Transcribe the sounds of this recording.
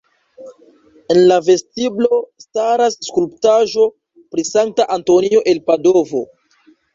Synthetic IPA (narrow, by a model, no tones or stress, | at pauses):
e̞nlave̞stiblo̞staɾasːkulptaʒo̞ | pɾisaŋk̚taʔanto̞nio̞ʔe̞lpado̞vo̞